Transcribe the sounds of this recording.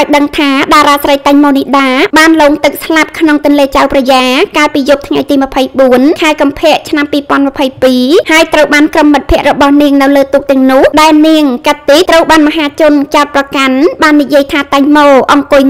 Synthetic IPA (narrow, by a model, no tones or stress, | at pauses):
ʔaɔjɗəŋt̪ʰaːɗaːɾaːsrəjt̪aɲmoːniɗaːɓaːnloːŋt̪ɨk̚slap̚kʰnoŋt̪ʊ̆ənleːt͡ɕawprɑjaːkaːlpiːjup̚t̪ʰŋajt̪iːməpʰəjɓuənkʰaɛkɑmpʰɛ̆əʔt͡ɕʰnampiːpŏənmə̆pʰəjpiːhaəjt̪rəwɓaːnkrəmːɨt̪̚pʰɛ̆əʔrɔɓɑhniəŋnɨwləːt̪uːk̚t̪ɛ̆əŋnʊ̆əhɗaɛlniəŋkat̪ːit̪rəwɓaːnmaɦaːt͡ɕʊ̆nt͡ɕaɔt̪̚prɑkanɓaːnːijiəjt̪ʰaːt̪aɲmoːʔɑŋkʊj